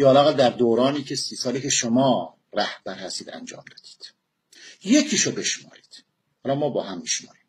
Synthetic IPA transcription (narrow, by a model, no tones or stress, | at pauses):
jɒːlæɣæld̪æɾd̪oːɾɒːniːcʰe̞siːsɒːliːce̞ʃomɒː | ræhb̥æɾhæst̪iːd̪æ̰nd͡ʒɒ̰ːmd̪ɒːd̪̥i̥ːd̪̥ | je̞cʰiːʃobe̞ʃmɒ̰ːɾiːd̪̥ | hɒlɒmɒːbɒːhæmːiʃmɒ̰ːɾiːm